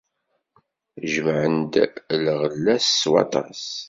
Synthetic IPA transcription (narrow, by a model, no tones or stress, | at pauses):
ʒəmʕənd̪lʁəlːæsːwɑ̰t̪ˤɑs